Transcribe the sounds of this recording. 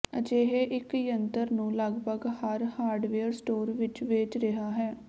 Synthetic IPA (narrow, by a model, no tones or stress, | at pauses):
əd͡ʒeːɦeʔɪkjənt̪əɾnũːləɡbʱəɡhaɾhaːɾɖʋeːəɾsʈoːɾʋɪt͡ʃʋeːt͡ʃɾɪɦaːɦɛː